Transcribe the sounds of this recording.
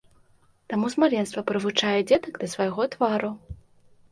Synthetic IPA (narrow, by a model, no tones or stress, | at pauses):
t̪amuzmaɾʲɛnst̪vɐpɾɨvut͡ʂajɛd͡zʲɛd̪ɐɡd̪ɐsvajɣɔt̪vaɾu